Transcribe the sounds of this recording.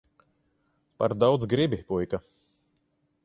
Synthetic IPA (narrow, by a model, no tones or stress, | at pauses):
pa̰ɾd̪awd̪zɡɾibipujka